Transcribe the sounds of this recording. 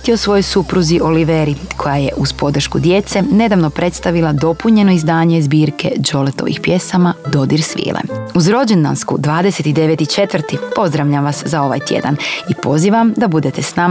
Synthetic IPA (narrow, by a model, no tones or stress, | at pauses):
t̪io̞sʋo̞jojsupɾuziʔo̞liʋeɾikʰo̞jajḛʔuzpo̞d̪r̩ʃkud̪je̞t̪se̞ne̞d̪aʋno̞pɾe̞t̪st̪aʋilˠad̪o̞puɲe̞no̞izd̪aːɲezbiːɾke̞̰d͡ʒo̞let̪oʋḭxpje̞samad̪o̞d̪iɾsʋḭːlˠʔḛuzɾo̞d͡ʑe̞nd̪a̰nskṵd̪ʋaːd̪ese̞t̪id̪e̞ʋet̪it͡ʃe̞t̪ʋrt̪ipo̞zd̪ɾaʋʎamʋaszao̞ʋa̰jt̪jḛd̪a̰nipo̞ziːʋamd̪abud̪e̞t̪esnama